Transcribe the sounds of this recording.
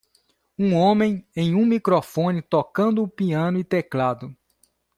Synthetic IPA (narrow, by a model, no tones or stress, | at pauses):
ũõmẽj̃ẽj̃ũmikɾofõnit̪okɐ̃nd̪ʊːpiɐ̃nʊit̪ɛklad̪ʊ